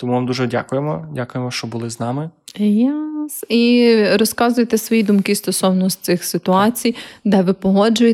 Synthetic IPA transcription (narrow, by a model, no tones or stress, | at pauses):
t̪ɔmuʋamd̪uʒɛdʲa̰kʊjemɔdʲakʊjemɔʃt͡ʃɔbʊlˠɪznɑmɪjɛsiɾɔskɑzʊjet̪ɛsʋɔjid̪ʊmkɪst̪ɔsɔwnɔɔst̪sɪxsɪt̪ʊɑt͡sʲijd̪ɛʋɪpɔɦɔd͡ʒʊje